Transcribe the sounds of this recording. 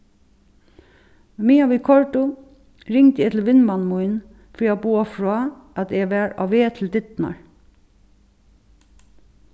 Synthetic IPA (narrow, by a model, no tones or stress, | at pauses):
miːaʋiːkʰɔɹʈʊ | ɹɪŋt̪əɛːt̪ʰɪlʋɪnmɑnmʊɪn | fɾiːabuːafɹoːʔɑt̪ɛʋæɹɑ̰ʋʋeːt̪ʰɪld̪ɪt̪nɑ̰ɹ